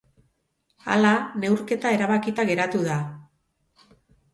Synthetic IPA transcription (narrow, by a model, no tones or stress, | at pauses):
a̰lane̞wɾke̞t̪ae̞ɾaβakit̪aɣe̞ɾat̪uða